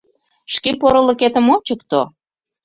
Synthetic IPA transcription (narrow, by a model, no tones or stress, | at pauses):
ʃkepoɾə̆lə̆ket̪ə̆mont͡ɕəkt̪o